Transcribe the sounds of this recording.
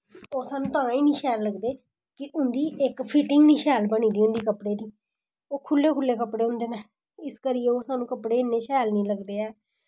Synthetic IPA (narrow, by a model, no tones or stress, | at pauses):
oːsaːnũːt̪ãːiːniːʃʰɛːlːəɡd̪eː | kɪʔʊnd̪iːɪkpʰɪʈɪŋɡniːʃɛːlbəñĩːd̪iːʊ̃nd̪iːkəpɽeːd̪iː | oːkʰʊlːeːkʰʊlːeːkəpɽeːʊ̃nd̪eːnaː | ɪskəɾijeːoːsaːnũːkəpɽeːɪnːeːʃʰɛːlnĩːləɡd̪eːɛː